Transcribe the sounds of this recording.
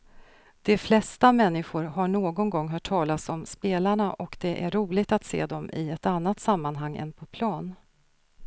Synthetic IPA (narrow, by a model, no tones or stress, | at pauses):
d̪̥ɛflɛst̪amɛnːɪɧʊɾɦaɳoːɡɔnɡɔŋːɦœːʈʰːɑːlasɔmspeːlaɳaʔɔkd̪ɛʔæɾɾuːlɪɡ̚t̪at̪sḛːd̪ɔmɪ̰ɛt̪anːat̪samːanɦaŋːɛ̰npʰɔpʰlɑːn